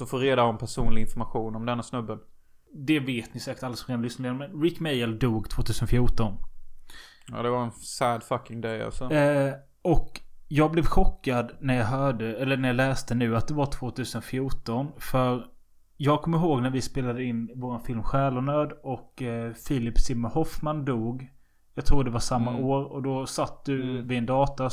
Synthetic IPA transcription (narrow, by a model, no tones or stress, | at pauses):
sɔfoːɾeːd̪aɔmpʰæʂuːnlɪɡɪnfɔɾmaɧuːnɔmd̪ɛnːasnɵbːən | d̪ɛveːt̪nɪsæːkə̥ʈalːasɔmɾeːnlʏsnameːnmɛnɾɪkːmɛjəld̪uːɡt̪ʰv̥oːt̪ʉ̟ːsənfjuːʈɔn | ɑ̰ːd̪ɛvaɾɛnsæd̪fakːɪŋd̪ɛja̰sɔ | ɔkjɑːɡ̚blɛvɧɔkːad̪næɾjɑɦœːɖəɛlːəɳæɾjɑːlɛːst̪ənʉ̟ːat̪̚d̪ɛvaʈ̪ʰv̥oːt̪ʰʉːsənfjuːʈɔnfœɾ | jɑːɡ̚kʰɔmːəɾɦoːɡnæɾvɪspeːlad̪əɪnːvoːɾanfɪlmɧæːlʊnøːd̪ɔkfɪlɪpsɪmːəɾhɔfmand̪uːɡ | jɑɡt̪ʰɾuːɖɛvaʂamːaoːɾɔd̪ɔsat̪̚ːd̪ɵvɪɛnd̪ɑːt̪a